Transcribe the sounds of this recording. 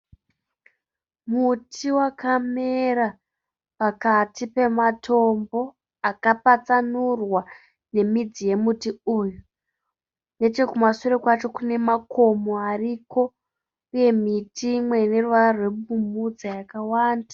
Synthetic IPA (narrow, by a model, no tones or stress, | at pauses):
mutʰiwakʰame̞ɾa | pakatipe̞matʰo̞mbo̞ | akapat͡sanurwa | ne̞mid͡zije̞mutiuːju | ne̞t͡ʃe̞kumasuɾekwat͡ʃo̞kune̞makʰo̞moariko̞ | uje̞mitimwe̞ne̞ruʋarwe̞bumud͡zajakawaːnda